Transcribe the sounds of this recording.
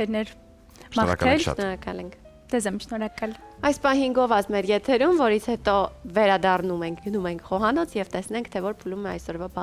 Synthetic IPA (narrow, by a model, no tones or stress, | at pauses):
ɛɾnɛɾ | ʃmɑɾɑ̰kɛlʃnɔɾɑkɑlɛŋkʰ | d͡z̥ɛzɛmʃnɔɾɑkɑlɑjspɑɦiŋɡɔvɑt͡smɛɾjɛt̪ʰɛɾumvɔɾit͡sʰhɛt̪ɔvɛɾɑd̪ɑrnumɛŋkʰɡənumɛŋkʰχɔɦɑnɔt͡sʰjɛvt̪ɛsnɛŋkʰt̪ʰɛvɔɾpʰulumɛɑ̰jsɔɾvɑbɑ